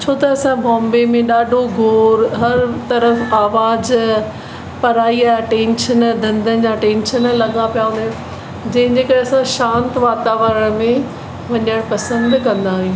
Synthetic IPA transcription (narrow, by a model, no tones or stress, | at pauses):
t͡ɕʰoːt̪ɐːsãbɔ̃ːmbemẽɗaːɖʱoɡʱoːɾɦɐɾt̪ɐɾəfaːʋaːz | pɐɾaːiaːʈẽːnʃənd̪ʱɐ̃nd̪ən̆d͡ʑaːʈẽːnʃənlɐɠãpijaũnd̪a | d͡ʑɐ̃ɦɪ̃d͡ʑeːkɐɾeɐsãʃãːnt̪ʋaːt̪aːʋəɾəɽ̃mẽ | ʋɐɲəɽ̃pɐsə̃nd̪kɐ̃nd̪aːɦjũː